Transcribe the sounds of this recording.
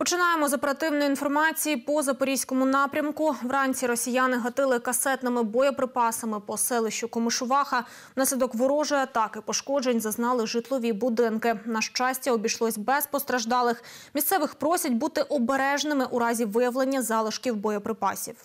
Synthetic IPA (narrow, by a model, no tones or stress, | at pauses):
pɔt͡ʃɪnɑjemɔzɐpeɾɐt̪ɪwnɔjinfɔrmɑt͡sʲijipɔzɐpɔɾʲijsʲkɔmʊnɑpɾʲɐmkʊʋɾɑnʲt͡sʲiɾɔsʲijanɪɦɐt̪ɪlˠɪkɐsɛt̪nɪmɪbɔjɔpɾɪpɑsɐmɪpɔsɛlˠɪʃt͡ʃʊkɔmɪʃʊʋɑxɐ | nɑsʲlʲid̪ɔkʋɔɾɔʒʊjɐt̪ɑkɪpɔʃkɔd͡ʒenʲzɐznɑlˠɪʒɪt̪lˠɔʋʲibʊd̪ɪnkɪnɐʃt͡ʃɑsʲtʲɐɔbʲijʃlˠɔsʲbɛspɔst̪ɾɐʒd̪ɑlˠɪxmʲist̪sɛʋɪxpɾɔsʲɐtʲbut̪ɪʔɔbeɾɛʒnɪmɪʔuɾɑzʲiʋɪjɐwlˠenʲːɐzɑlˠɪʃkʲiwbɔjɔpɾɪpɑ̰sʲiw